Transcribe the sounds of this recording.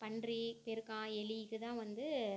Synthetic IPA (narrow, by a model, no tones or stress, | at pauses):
pɐɳdripɛɾɯkãːɛɭikːɯt̪ãːʋɐnd̪ɯ